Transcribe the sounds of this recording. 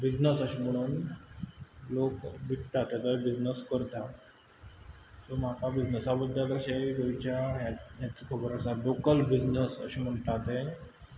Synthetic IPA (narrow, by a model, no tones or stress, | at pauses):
bid͡ʑnəsəɕem̤əɽ̃uːn | lokbʱiʈt̪at̪jat͡sabid͡ʑnəskəɾt̪a | sɔmakabid͡ʑnəsabəd̪ʱjaləɕeɡəit͡ɕaɦjaɦjat͡səkʰəbəɾəsalokəlbid͡ʑnəsə̰ɕem̤əɳʈ̪at̪e